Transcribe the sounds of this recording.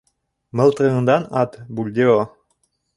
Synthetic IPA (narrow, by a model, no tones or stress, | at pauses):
mɤ̆lˠt̪ɾɤɤ̆nd̪ɑnɑt̪bulʲd̪eo